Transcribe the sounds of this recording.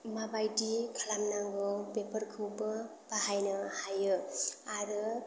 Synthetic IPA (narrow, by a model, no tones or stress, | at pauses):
mabajdikʰalamnaŋɡɯwbepəɾkʰɯwbɐ | baɦajnʌhajɯaɾɯ